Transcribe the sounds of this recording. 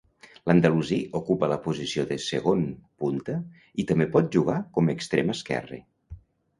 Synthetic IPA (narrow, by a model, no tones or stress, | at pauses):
lənd̪əluziʔukupələpuzisioðəsəɣonpunt̪ə | it̪əmbepɔt̪̚ʒuɣ̞akɔməkst̪ɾeməskɛ̰rḛ